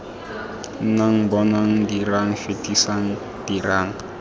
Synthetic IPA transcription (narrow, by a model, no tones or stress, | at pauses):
n̩naŋ̩bɔnaŋ̩diraŋ̩fetʼisaŋ̩ | d̥iraːŋ̩